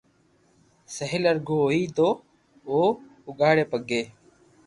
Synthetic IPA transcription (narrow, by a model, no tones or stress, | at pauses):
səɦɪləɾɡʱoːoiːt̪oː | oː | ʊɡaːɽeːpəɡeː